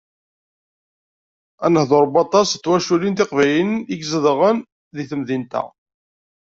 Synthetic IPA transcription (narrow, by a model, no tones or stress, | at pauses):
ænəhðoɾˤbɑt̪ˤɑst͡sːwæʃulint̪ɪqvæjəniɡzəðʁən | ðiθəmðint̪æ̰